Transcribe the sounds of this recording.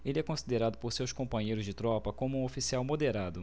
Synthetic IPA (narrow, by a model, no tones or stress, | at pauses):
elɪɛkõsid̪eɾad̪ʊpoɾsewskõpɐ̃ɲejɾʊzd͡ʒɪt̪ɾɔpɐkõmʊũofisiawmod̪eɾad̪ʊ